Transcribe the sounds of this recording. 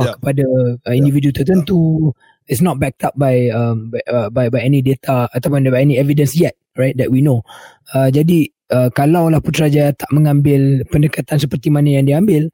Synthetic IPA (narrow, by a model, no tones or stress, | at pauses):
kə̥padaəĩndividut̪ərt̪ənt̪u | itsnɔt̪̚bɛk̚t̪ap̚bajəmbəbajbajɛnĩdet̪ʰaat̪awpʊnbajɛnĩɛvidə̃nsjɛt̪̚ɹajt̪̚d̪ɛʔ̚wino | əd͡ʒadi | əkalawlahpʊnt̪ɾad͡ʒaat̪aʔmə̃ŋãmbɪlpəndəkat̪ansəpərt̪imanajaŋdiəambɪl